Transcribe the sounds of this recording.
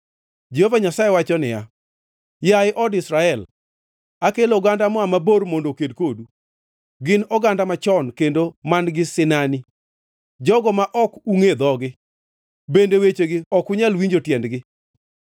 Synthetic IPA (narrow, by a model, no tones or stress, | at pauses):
d͡ʒehovaɲasaewat͡ʃɔnɪja | jaɪʔɔdɪsɾaɛl | akeloɡandamɔamaboɾmondokedkodu | ɡɪnɔɡandamat͡ʃɔnkendomanɡɪsɪnani | d͡ʒɔɡɔmaʔɔkuŋed̪ɔɡɪ | bendewet͡ʃeɡɪɔkʊɲalwiɲd͡ʒotjɛndɡɪ